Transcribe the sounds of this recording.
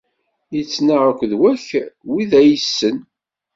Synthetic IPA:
jət͡sːnaʁəkʷðwæçwiðæjəsːən

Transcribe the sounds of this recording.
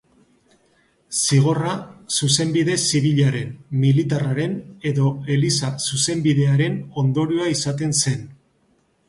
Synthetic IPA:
siɣ̞o̞rasuse̞mbiðe̞siβ̞iʎaɾe̞nmilit̪araɾe̞ne̞ðo̞e̞lisasuse̞mbiðe̞aɾe̞no̞nd̪o̞ɾiuoaisat̪e̞nse̞n

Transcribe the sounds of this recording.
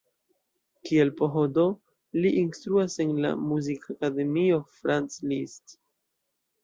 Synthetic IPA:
kie̞lpo̞ɦodo̞ | liʔinstɾuase̞nla̰muzikakade̞mio̞fɾanslist

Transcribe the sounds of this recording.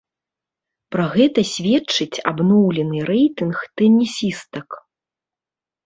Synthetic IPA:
pɾɐɣɛt̪ɐsʲvʲɛt͡ʂːɨt͡sʲa̰bnɔwlʲɛnɨɾɛjt̪ɨnxt̪ɛnʲisʲist̪ɐk

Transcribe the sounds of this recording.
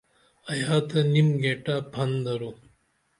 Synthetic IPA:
ɐjaːt̪ɐnimɡeːʈaːpʰɐnd̪ɐɾu

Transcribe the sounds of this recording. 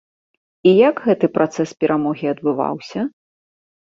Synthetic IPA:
ijɐɡɣɛt̪ɨpɾʔat̪sɛspʲɛɾʔamɔɣʲiɐd̪̚bɨva̰wsʲɐ

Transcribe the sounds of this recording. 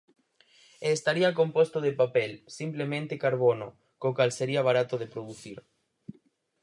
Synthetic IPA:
eːst̪aɾiakompost̪oðepapelsimplemẽnt̪ekaɾβ̞ono | kokalseɾiaβaɾat̪oðepɾoðuθiɾ

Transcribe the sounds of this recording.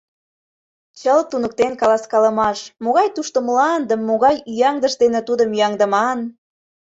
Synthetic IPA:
t͡ɕəlt̪unək̚t̪enkɑlɑskɑlə̆mɑʃmoɣɑjt̪uʃt̪omlɑnd̪əmːoɣɑjyjɑŋd̪əʃd̪enĕt̪ud̪əmjɑŋd̪ə̆mɑn

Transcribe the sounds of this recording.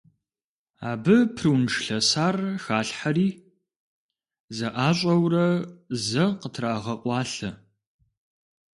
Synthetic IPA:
a̰ːbɨpʰrɨwnʂɬɐsaːrxaːɬħaɾiː | zɐʔaːɕʷʼɐwrɐzɐqətʰraːʁɐqʷɑːɬɐ

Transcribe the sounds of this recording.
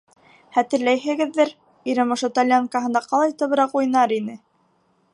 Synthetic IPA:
χæt̪ɘ̆ɾlæjɦɘ̆ɡɘ̆ðːɘɾ | iɾɘmŏʃɤt̪alʲjaŋkaɦɤ̆nd̪ɑqɑlˠɑjt̪ɤ̆βɤ̆ɾɑqujnɑɾinɘ

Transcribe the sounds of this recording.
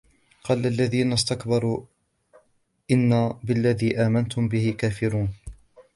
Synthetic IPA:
qɑːlʔalːaðiːnast̪akbɑɾˤuː | ʔɪnːabɪlːaðiːʔaːmant̪ʊmbɪhɪkaːfɪɾuːn

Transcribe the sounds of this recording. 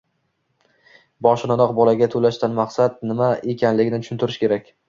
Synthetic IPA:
bɒʃɪnanɒqbɒlaɡʲat̪ʰolaʃt̪anmaqsat̪̚nɪmae̞kʲʰanlɪɡʲɪnɪt͡ʃ̪ʰʊ̥ʃʊnt̪ɪɾɪʃkʲʰe̞ɾakʲ

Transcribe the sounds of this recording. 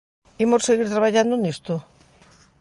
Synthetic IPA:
imosseɣiɾt̪ɾaβaʎand̪onist̪o

